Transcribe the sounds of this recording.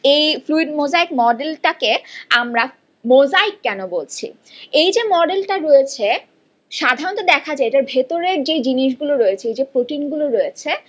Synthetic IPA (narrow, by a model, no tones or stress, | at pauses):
ejfluiɖmod͡ʑaikmɔɖelʈakeamɾa | mod͡ʑaikːɛnobolt͡ɕʰḭ | ejd͡ʑemɔɖelʈaɾojet͡ɕʰe | ʃad̪ʱaɾont̪od̪ɛkʰad͡ʑaeeʈaɾbʱet̪oɾeɾd͡ʑed͡ʑiniʃ̬ɡuloɾojet͡ɕʰeejd͡ʑepɾoʈiŋɡuloɾojet͡ɕʰe